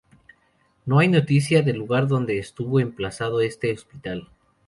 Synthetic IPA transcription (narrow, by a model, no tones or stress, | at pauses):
no̞ajno̞t̪isjaðe̞lːuɣaɾðo̞nd̪e̞ːst̪uβo̞emplasað̞oe̞st̪e̞ospit̪al